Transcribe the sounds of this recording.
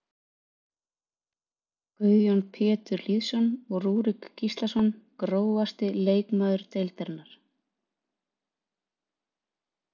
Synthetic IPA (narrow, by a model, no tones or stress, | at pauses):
kœðjonpʰɛːt̪ʏɾliːðsɔnɔɣruːɾikːist̪lasɔnkɾoːwvast̪ɪleːjkmaːðʏɾ̥t̪ejlt̪ɛɾnaɾ̥